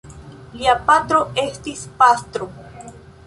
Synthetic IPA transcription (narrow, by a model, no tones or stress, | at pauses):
liapat̪ɾo̞e̞st̪ispast̪ɾo